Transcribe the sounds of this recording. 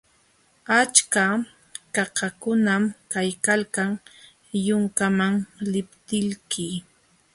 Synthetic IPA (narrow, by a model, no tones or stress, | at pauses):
at͡ʃka | kɑkakʊnamkajkalkaŋ | jʊŋkamaŋlɪpt̪ɪʎkɪ